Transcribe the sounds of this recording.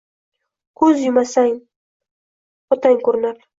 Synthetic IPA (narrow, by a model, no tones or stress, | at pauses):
kʰɵzjʊmasaŋ | ɒt̪ʰaŋkɵɾnaɾ